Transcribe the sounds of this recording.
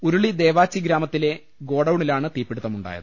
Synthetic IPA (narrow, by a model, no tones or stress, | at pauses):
uɾuɭid̪e̞ːʋaːt͡ɕːiɡɾaːmɐt̪ːile̞ | ɡo̞ːɽɐwɳilaːɳɨt̪iːpːeɽut̪ːɐmuɳɖa̰ːjɐ̰ðɨ